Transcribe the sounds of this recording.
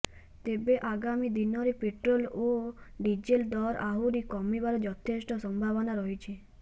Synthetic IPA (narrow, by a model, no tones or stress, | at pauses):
t̪ebeʔaɡamid̪inɔɾipeʈɾoloɖid͡ʒeld̪ɔɾa̰ɦuɾikɔmibaɾɔd͡ʒɔt̪ʰesʈɔsɔmbʱaʋɔnaɾɔɦit͡ʃʰe